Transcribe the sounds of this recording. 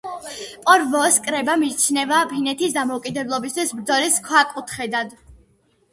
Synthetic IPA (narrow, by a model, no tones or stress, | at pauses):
pʼɔɾvɔskʼɾɛbamit͡ʃʰnɛvaːpʰinɛt̪ʰisd̪amɔukʼid̪ɛblˠɔbist̪ʰwisbɾd̪zɔɾiskʰwakʼut̪ʰχɛd̪ad̪